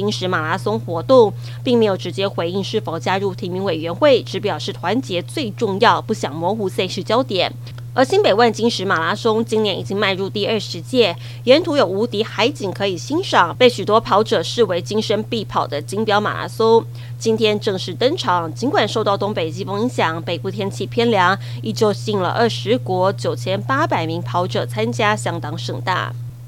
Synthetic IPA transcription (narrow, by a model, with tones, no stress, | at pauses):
i˥ŋʂɻ̩˧˥ma˨˩la˧˥sʊ˥ŋxwɔ˧˥t̪ʊ˥˩ŋ | pi˥˩ŋme˧˥ɪjo˨˩ʊʈ͡ʂɻ̩˧˥t͡ɕjɛ˥xwe˧˥ɪi˥˧ŋʂɻ̩˥˩fo˨˩ʊt͡ɕja˥ɻu˥˩t̪ʰi˧˥mi˧˥ŋwe˨˩ɪɥɛ˧˥nxwe˥˩ɪʈ͡ʂɻ̩˧˥p̬jɑ˨˩ʊʂɻ̩˥˩t̪ʰwa˧˥nt͡ɕjɛ˧˥t͡swe˥˧ɪʈ͡ʂʊ˥˧ŋjɑ˥˧ʊpu˥˩ɕjɑ˨˩ŋmwɔ˧˥xu˧˥sa˥˧ɪɕy˥˩t͡ɕjɑ˥ʊt̪jɛ˨˩˦n | ə˞˧˥ɕi˥npe˨˩ɪwa˥˩nt͡ɕi˥ŋʂɻ̩˧˥ma˨˩la˧˥sʊ˥ŋt͡ɕi˥ŋnjɛ˧˥ni˨˩i˥ŋma˥˧ɪɻu˥˧t̪i˥˧ə˞˥˧ʂɻ̩˧˥t͡ɕjɛ˥˩ | jɛ˧˥nt̪ʰu˧˥jo˨˩ʊu˧˥t̪i˧˥xa˧˥ɪt͡ɕi˨˩ŋkʰɤ˧˥i˨˩ɕi˥nʂɑ˨˩ŋpe˥˩ɪɕy˨˩t̪wɔ˥pʰɑ˧˥ʊʈ͡ʂɤ˨˩ʂɻ̩˥˩we˧˥ɪt͡ɕi˥ŋʂə˥npi˥˩pʰɑ˨˩ʊd̪ə˦t͡ɕi˥ŋpjɑ˥ʊma̰˨˩la̰˧˥so˥ | t͡ɕi˥nt̪ʰjɛ˥nʈ͡ʂɤ˥˧ŋʂɻ̩˥˩t̪ɤ˥ŋʈ͡ʂʰɑ˨˩ŋt͡ɕi˧˥nkwa˨˩nʂo˥˧ʊt̪ɑ˥˩ʊt̪ʊ˥ŋpe˨˩ɪt͡ɕi˥fɤ˥ŋi˧˥ŋɕjɑ˨˩˦ŋpe˨ɪpu˥˩t̪ʰjɛ˥nt͡ɕʰi˥˩pʰjɛ˥nljɑ˧˥ŋ | i˥˩t͡ɕjo˥˧ʊɕi˥˩ŋlə̰˨ʔə˥˩ʂɻ̩˧˥kwɔ˧˥t͡ɕjo˨˩ʊt͡ɕʰjɛ˥npa˥pa˨˩ɪmi˧˥ŋpʰɑ˧˥ʊʈ͡ʂɤ˨˩t͡sʰa˥nt͡ɕja˥ɕjɑ˥ŋt̪ɑ˥ŋʂɤ˥˩ŋt̪a̰˥˩